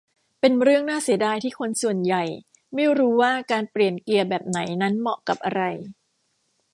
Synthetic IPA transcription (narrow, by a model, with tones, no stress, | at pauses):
pe˧nɾɯ˥˩əŋnaː˥˩si˨˩˦daː˧jt̪ʰiː˥˩kʰo˧nsu˨˩ənja˨˩j | ma˥˩jɾuː˦˥waː˥˩kaː˧npli˨˩ənki˧əbɛː˨˩p̚na˩˦jna˦˥nmɔ˨˩ʔka˨˩p̚ʔa˧ɾa˧j